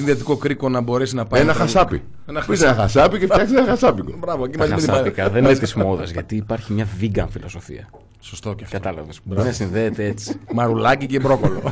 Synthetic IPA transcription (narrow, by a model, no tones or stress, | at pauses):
sinðet̪iko̞kɾiko̞nɐbo̞ɾe̞sinɐpɐenɐxɐsɐpḭ | enɐisenɐxɐsɐpicefɐksisenɐxɐsɐpiɡobɾɐvoecimɐzimeiikɐðeninet̪izmoðɐzʝɐt̪iːpɐɾçimɲɐviɡɐnfilo̞so̞fḭɐ | sost̪o̞cɐftkɐt̪t̪ɐlɐ̰vesnɐsinðeːt̪eet͡si̥mɐɾulɐcicebɾo̞kolo̞